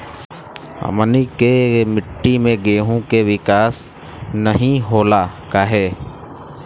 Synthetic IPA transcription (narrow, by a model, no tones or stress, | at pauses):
ə̰mənikemɪʈːimẽɡeːɦõkeʋɪkaːs | nəɦĩɦoːlakaːɦɛː